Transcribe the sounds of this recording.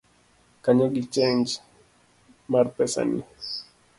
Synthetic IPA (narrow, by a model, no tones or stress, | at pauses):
kaɲɔɡit͡ʃend͡ʒ | marpɛsa̰ni